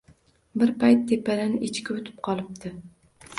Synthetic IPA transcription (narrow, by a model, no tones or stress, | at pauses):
bɪɾpajt̪ʰːepʰːalɪnɪʔɪt͡ʃkʲɪʊt̪ʰɪ̥p̚qʰɒlˠɪp̚t̪ʰɪ